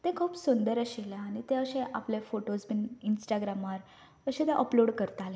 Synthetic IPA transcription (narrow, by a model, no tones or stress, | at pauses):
t̪ẽkʰuːpsund̪əɾəɕelaaɽ̃it̪ẽəɕẽʔaplefoʈosbininsʈaɡɾamaɾ | əɕẽt̪ẽʔəploɽkəɾt̪ale